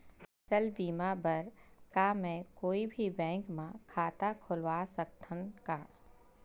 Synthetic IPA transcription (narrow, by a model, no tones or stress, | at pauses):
sɐlbiːmabəɾkaːmɛ̃koːibʱibɛ̃ːŋkmãkʰaːt̪akʰʊlwaːsək̚t̪ʰənkaː